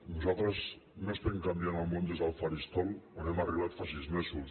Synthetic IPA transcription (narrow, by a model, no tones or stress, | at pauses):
nuzalˠt̪ɾəz | nost̪eŋkamd̪janalmõnd̪ezalfaɾist̪olonɛmariβat̪faʃizmesu